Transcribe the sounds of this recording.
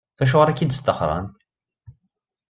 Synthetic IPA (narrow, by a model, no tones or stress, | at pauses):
æʃ̬ʊʁɾækid̪əst̪əχɾˤɑ̰nt̪